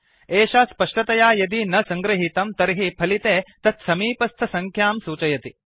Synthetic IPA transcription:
eːʃaːspɐʂʈɐt̪ɐjaːjɐd̪inɐsɐŋɡɾɐɦit̪ɐmt̪ɐɾɦipʰɐlit̪eːt̪ɐt̪sɐmiːpɐst̪ʰɐsɐŋkʰjaːmsuːt͡ʃɐjɐt̪i

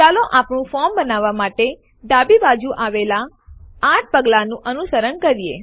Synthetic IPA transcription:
t͡ʃaloʔapɳ̃ũfɔmbənaʋːamaʈe | ɖ̪abibad͡ʒuʔaʋelaː | ʈ̚ʰpəɡlanũʔənusəɾəɳkəɾije

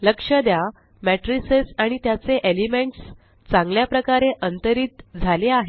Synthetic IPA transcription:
ləkʂəd̪ja | mæʈɾisesaɽ̃it̪jat͡seʔelimeɳʈs | t͡sãŋɡljapɾəkaɾeʔənt̪əɾiːt̪d͡zʱaleaɦe

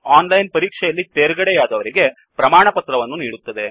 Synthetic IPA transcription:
aːnlɐjnpɐɾiːkʂɛjɐlːit̪eːɾɡɐɽejaːd̪ɐʋɐɾiɡe̞ | pɾɐmaːɳɐpɐt̪ɾɐʋɐnːuniːɽut̪ːɐd̪e̞

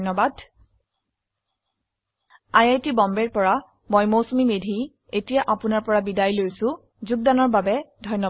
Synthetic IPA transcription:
nɔbad | ajajtibɔmbɛɹpɔɹa | mojmosumimedʱi | etijaʔapʊnaɹpɔɹabidajlojsʊ̃ | zuɡ̚danɔɹbabɛdʱɔjnɔ

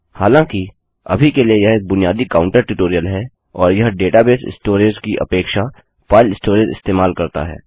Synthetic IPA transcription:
haːlãːki | ɐ̰bʱikeliejɐɦeːk̚bʊnijaːd̪ikaːʊ̃ɳʈəɾʈuʈoːɾijəlɦɛ | ɔːɾjɐɦɖeːʈabeːsɪ̰sʈoːɾed͡ʒkiʔɐ̰peːkʃa | faːɪlɪsʈoːɾed͡ʒɪ̰st̪eːmaːlkɐɾt̪a̰ɦɛ̰ː

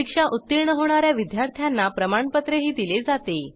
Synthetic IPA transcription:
ikʂaʔut̪ːiɾɳəɦoɳ̃aɾjaʋid̪jaɾt̪ʰjanːapɾəmaɳpət̪ɾeɦiːd̪iled͡zat̪e

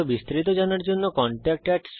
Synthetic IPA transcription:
obist̪ɾit̪̬od͡ʑanaɾd͡ʑonːokɔɳʈak̚ʈɛkʈs

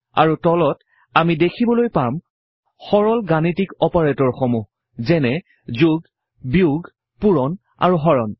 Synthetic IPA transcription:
a̰ɹutɔlɔt | amidekʰibɔlojpam | xɔɹɔlɡanitikɔpaɹetɔɹxɔmu | zɛnɛ | zuɡ | biuɡ | puɹɔn | a̰ɹuɦɔɹɔn

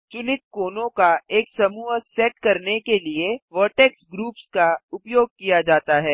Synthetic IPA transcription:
t͡ʃʊnɪt̪koːnõkaeːksɐmuːɦəsɛːʈkɐɾnekelieʋəːʈɛːksɡɾuːpskaʊpjoːɡ̚kijad͡ʒaːt̪aɦɛː

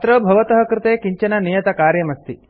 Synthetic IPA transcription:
t̪ɾɐbʱɐʋɐt̪ɐɦɐ̆kɾɪt̪eːkiɲt͡ʃɐnɐnijɐt̪ɐkaːɾjɐmɐst̪i

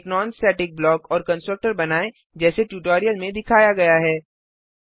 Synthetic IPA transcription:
knɔ̃ːnsʈɛːʈɪk̚blɔːkɔːɾkɐ̃nsʈɾək̚ʈəɾbɐnaːẽ | d͡ʒɛːseʈjuːʈɔːɾijəlmẽd̪ɪkʰaːjaɡɐjaɦɛː

